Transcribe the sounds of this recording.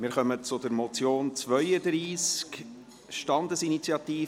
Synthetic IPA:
mɪːɾχœmət͡sʊd̪əɾmɔt͡sjoːnt͡svœʏəd̪ɾiːsk | ʃtɑnd̪əsinit͡sjɑtiː

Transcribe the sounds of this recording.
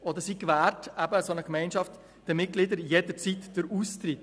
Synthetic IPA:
ɔd̪əɾsikvæːɾtæbəsonəkmɛɪnʃɑft̪ | d̥əmɪt̚ɡ̥lɪd̪əɾjed̪əɾt͡sitd̥əɾust̪ɾɪt̪

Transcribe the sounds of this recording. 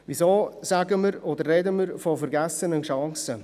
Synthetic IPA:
ʋizoːsæɡəməɾɔd̪ərːɛdəməɾfɔfəɾɡæsːənənʃɑŋsə

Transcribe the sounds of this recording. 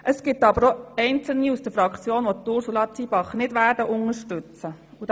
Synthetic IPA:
ʔəsɡ̥ɪtːɑbəɾoɛɪnt͡səl̩niusd̥əfɾɑkt͡sjoːnʋot̪ʊɾsulɑt͡siːb̥ɑχnɪdʋæːɾdəʔʊŋəʃtʉt͡sə | ud

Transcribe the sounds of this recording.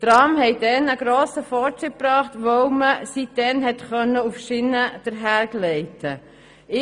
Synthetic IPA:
t̪ɾɑːmhɛɪdɛnəɡɾoːsəfɔːɾtɾɪt̚pɾɑːχtʋoʊməsit̚dɛnɦɛtχœnːəufʃɪnːəd̥əɾɦæːɾɡlɛɪtʰə | ɪ

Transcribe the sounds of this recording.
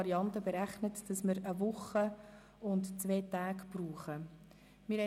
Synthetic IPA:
ɾiɑntəbeɾæχnətd̥ɑsməɾəʋʊχə | ʊntt͡sveːtaːkb̥ruːχə | mɪɾhɛ

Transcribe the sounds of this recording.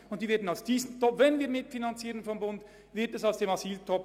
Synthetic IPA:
ʊntd̥iːveːɐdn̩alsd̥iːzən̩tʰɔpvɛnviːɐmɪtfinant͡siːʁənfɔmbʊnd | vɪɐtɛsaʊsd̥eːmɑsiːltʰɔp

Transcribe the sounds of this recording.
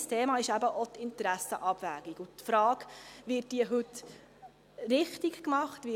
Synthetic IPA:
stʰeːmɑːɪʃæbəʔot̪ɪnt̪ɾæsəʔɑb̥væːɡikʊtfɾɑːkʋɪt̚d̥iəɦɵt | ɾɪχtikkmɑχt̪ʋɪ

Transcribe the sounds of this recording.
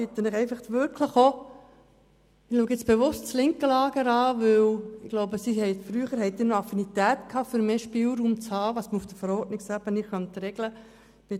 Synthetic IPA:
it̪ənɪχɛɪfɑχtʋʏɾkʰləχo | ɪluəɡɪt͡sb̥eʋʊstt͡slɪŋkəlɑːɡ̥əɾɑːʋʏwɪɡ̥loʊbəsihɛɪtfɾyəχəɾhɦɛɪt̪ɪːnoɑfinit̪æːt̪kʰɑːfyɾmeːʃpiːlɾuːmt͡shɑːʋɑsməufd̥̪əfəɾɔːɾtnɪksæb̥ənɪχœnt̪ɾɛɡlə | b̥ɪ

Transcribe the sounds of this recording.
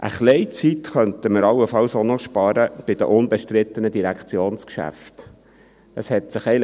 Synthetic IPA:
ʔə̰χlɛɪt͡sit̪χœnt̪əməɾɑlːəfɑlsonɔʃpɑɾəb̥ɪd̥̪əʔʊnbɛʃtɾɪt̪ənəd̪iɾækʰt͡sjoːnskʃæ̰ft̪ | əshɛtsɪχɛɪl

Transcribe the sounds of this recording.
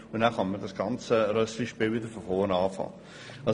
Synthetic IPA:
ʊnæχɑnmədɑsɡ̥ɑnt͡səɾœsliʃpiːlʋɪd̪əɾfɔfɔːənɑːfɑ̰ː | ɑ

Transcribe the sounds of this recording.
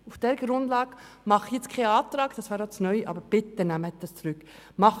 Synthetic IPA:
ufd̥ɛɾɡ̥ɾʊnd̥̪lɑːɡ | mɑχijɛt͡skʰɛɑːt̪ɾɑːɡ̥d̥ɑsvæːɾɔsnœʏʔɑ̰ːbəɾb̥ɪt̪ənæmːəɛt̪ɑst͡sɾʉkːmɑχ

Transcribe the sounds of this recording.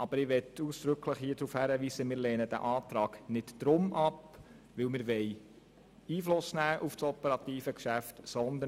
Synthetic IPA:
ɑb̥əɾɪʋɛtuːsd̪̥ɾɵkʰləχhiːədɾuːfhæɾəʋiːsəmɪːɾleːnəd̥æ̰ʔɑːt̪ɾɑːɡ̥nɪtd̥ɾʊmʔɑp | ʋɪlmɪɾʋɛj | iːflʊsnæːʔufsɔpəɾɑt̪iːfəkʃæftsɔnd̪ə

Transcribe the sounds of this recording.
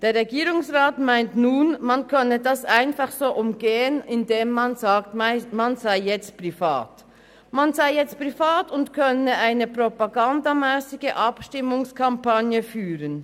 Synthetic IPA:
d̥eːɾʁɛɡiːɾʊŋsʁaːtmaɪntnuːnmankʰœnədasʔaɪnfaχz̥oːʔʊmɡeːənɪndeːmːanzaːktmmanzaɪjɛt͡st̚pʁ̥ifa̰ːt | manzaɪjɛt͡st̚pʁifaːtʊntkʰœnəʔaɪnəpʁopaɡandamɛːsɪɡəʔapʃtɪmʊŋskʰampanjəfyːʁən

